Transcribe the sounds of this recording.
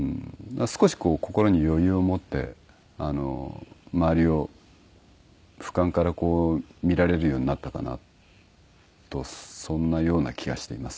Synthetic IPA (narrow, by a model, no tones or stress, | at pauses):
ɯ̃ːasɨ̥ko̞ɕi̥ko̞ːko̞ko̞ɾo̞ɲ̟ijo̞jɯ̟ːo̞mo̞t̪ːe̞̰ | ano̞̰maaɾʲio̞ | ɸɯ̥kãŋkaɾako̞ːmʲiɾaɾe̞ɾɯ̟jo̞ːɲinat̪ːaka̰na̰ | t̪o̞sõ̞nːajo̞ːna̰kʲʰiɡa̰ɕi̥t̪e̞imasɨ̥